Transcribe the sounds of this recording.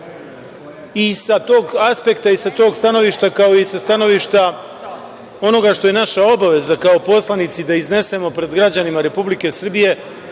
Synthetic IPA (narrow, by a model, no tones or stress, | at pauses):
isat̪o̞ːɡaspe̞kt̪aisat̪o̞ːɡst̪ano̞ʋiʃt̪akao̞jesast̪ano̞ʋiːʃt̪a | o̞no̞ɡaʃt̪o̞je̞naʃao̞baʋe̞zakao̞po̞slˠanit̪sid̪aizne̞se̞mo̞pɾe̞d̪ɡɾad͡ʑanimaɾe̞publike̞sr̩bije̞